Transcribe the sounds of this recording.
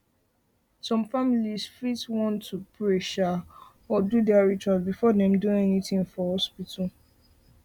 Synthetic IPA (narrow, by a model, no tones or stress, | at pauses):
sɔ̃mfamilisfitswɔ̃ntːupɹɛʃa | ɔdudɛaɹit͡ʃwasbifɔdɛ̃mdũɛnitĩŋfɔhɔspitʰal̩